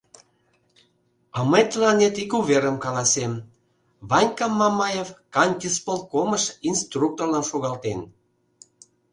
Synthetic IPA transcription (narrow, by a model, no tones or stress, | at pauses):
əmet̪lɑnet̪ikuβeɾəmkɑlɑsem | βɑnʲkɑmːɑmɑjevkɑnʲk̪ʲispolkoməʃinst̪ruk̚t̪orlɑnʃuɣɑlt̪en